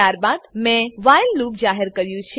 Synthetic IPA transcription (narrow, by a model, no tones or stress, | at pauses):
aɾbad̪mɛ̃ʋajlːupd͡ʒaɦəɾkəɾjũt͡ʃʰ